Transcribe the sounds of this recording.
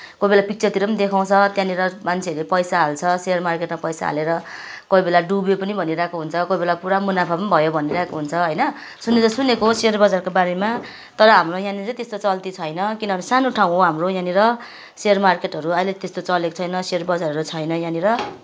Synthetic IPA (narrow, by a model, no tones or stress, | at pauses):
kobelapik̚t͡sʰʌt̪iɾʌpʌnid̪ekʰaw̃t͡sʰʌt̪jãniɾʌmant͡sʰeʌɾepʌjsaɦalt͡sʰʌsermarkeʈmapʌjsa̰ɦa̰leɾʌ | koibelaɖubepʌnibʱʌniɾakoɦunt͡sʰʌkoibelapuɾamunapʰapʌnibʱʌjobʱʌniɾaekoɦunt͡sʰʌɦʌjnʌ | sunet͡sʌsunekoserbʌd͡zarkobaɾema | t̪ʌɾʌɦamrojãnit͡sʌ̃j̃t̪est̪ot͡sʌlt̪it͡sʰʌjnʌkinʌbʱʌnesanoʈʰaw̃ɦoɦamrojãniɾʌ | sermarkeʈɦʌɾuʌjlet̪est̪ot͡sʌleko̥t͡sʰʌjnʌserbʌd͡zarʌɾut͡sʰʌjnʌjãniɾʌ